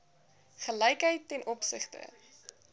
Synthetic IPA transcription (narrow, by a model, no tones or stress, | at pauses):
χəlɛjkɦəjtːɛnʔɔpsə̰χtə̰